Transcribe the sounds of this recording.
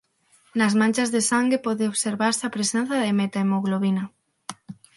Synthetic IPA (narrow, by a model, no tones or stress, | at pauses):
nɐzmãnt͡ʃazðesaŋɡepɔðeoβseɾβaɾseapɾesen̟θaðemet̪aemoɣloβinɐ